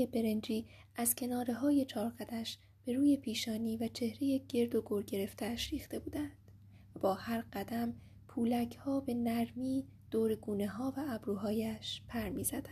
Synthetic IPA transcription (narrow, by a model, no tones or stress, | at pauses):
ebe̞ɾe̞nd͡ʒiːʔæz̥cʰe̞nɒːɾe̞ɦɒːje̞t͡ʃʰɒːɾɡæd̪æʃ | b̥e̞ɾuːje̞pʰiːʃɒːniːvæt͡ʃʰe̞hɾe̞je̞ɟ̥e̞ɾd̪oɡoɾɟe̞ɾe̞ft̪ʰæʃɾiːxt̪e̞buːd̪ænd̪̥ | væbɒːhæɾɢæd̪æm | pʰuːlæcʰhɒːbe̞næɾmiːd̪̥oːɾeɡuːne̞ɦɒːvæːbɾuːɦɒːjæʃpʰæɾmiːzæd̪æ